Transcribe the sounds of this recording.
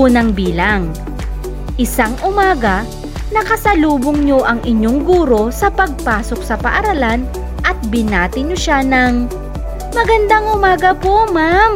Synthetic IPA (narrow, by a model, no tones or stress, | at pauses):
unɐŋbiːlaŋ | ʔɪsaŋʔʊmaːɡɐ | nɐkɐsɐluːboŋɲo̞ʔɐŋʔɪɲo̞ŋɡuːɾo̞sɐpɐɡ̚paːso̞k̚sɐpɐʔɐɾɐlan | ʔɐt̪̚bɪnaːt̪ɪɲːoʃanɐŋ | mɐɡɐnd̪aŋʔʊmaːɡɐpomam